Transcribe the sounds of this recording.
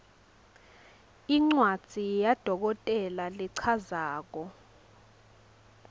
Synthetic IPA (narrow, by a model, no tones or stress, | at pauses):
iŋ͡ǀwad̥z̥ʱijad̥ʱɔk̬ɔtʼɛlaliǀʰazaːk̬ɔ